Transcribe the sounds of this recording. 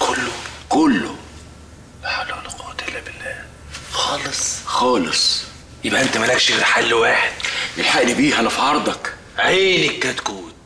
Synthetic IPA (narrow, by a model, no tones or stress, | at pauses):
kʰʊlːʊkʊlːʊ̰ | ħalːulqɑːt̪ɪlːæbɪlːæː | xɑːlesˤxɑːlesˤ | jeɪbʔæʔent̪æmænækʃilħalːwaːħɪd̪̥̚ʔɪlħaʔlibiːɦænæfiʕɑɾˤd̪ˤɑk | ʕiːnikːæt̪kuːn